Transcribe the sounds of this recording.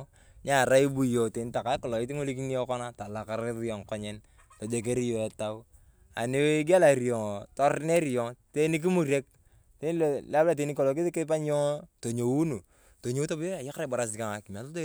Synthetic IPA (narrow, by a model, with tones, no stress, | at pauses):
ɲa˨ɾa˦i˦bu˨jo˨te˨ni˦ta˨ka˨˦kɔ˨lɔ˨ɪ˦ti˦ŋo˦li˦k̬i˦ni˦ɔ˦kɔ˦na˦ta˨la˨ka˦ɾɪ˦ðjɔ˨ŋkɔ˦ɲɛ˦n | to˨d͡ʒe˨k̬e˦ɾi˦jo˨ɛ˨ta˦ | a̰˨ni˦we˦ɡa˦la˨ɾjɔ˨ŋ˨tɔ˦ɾne˦ɾjɔ˨ŋte˦ni˦k̬i˦mu˨ɾe˦k̚ | te˦n˦llbla˦˨t̬e˨˦ni˦kɔ˨lɔ˨k̬i˦ði˦kɪ˦pa˦ɲ˦ɔ˦to˨ɲo˨wu˦nu˨ | to˨ɲo˦u˦to˦bo˦a˨ja˦kɾa˦˨ba˨ɾa˨s̬ɪ˨ka˨ŋa˨ki˨m˨a˨to˦to˦